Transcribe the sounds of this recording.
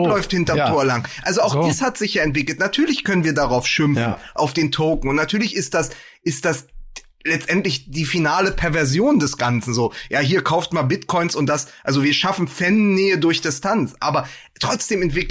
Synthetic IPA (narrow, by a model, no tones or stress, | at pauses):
lɔʏfthɪntɐtʰoːɐlaŋʔalzoaʊxd̥iːshatz̥ɪçjaːɛntv̥ɪkl̩tnatʰyːɐlɪçkʰœnənviːɐdaʁaʊfʃʏmfn̩ʔaʊfd̥eːntʰoʊkŋ̩ʊntnatʰyːɐlɪçɪst̚d̥as | ʔɪstd̥as | lɛt͡stʔɛntlɪçd̥iːfinaːləpʰɛɐvɛɐzjoːndɛsɡ̥ant͡sn̩zoːjaːɦiːɐkʰaʊftmanbɪtkʰɔʏnsʊnt̚d̥asʔalzoviːɐʃafn̩fɛnːeːədʊɐçd̥ɪstʰant͡sʔa̰ːbɐ | tʁ̥ɔt͡sd̥eːmɛntv̥ɪk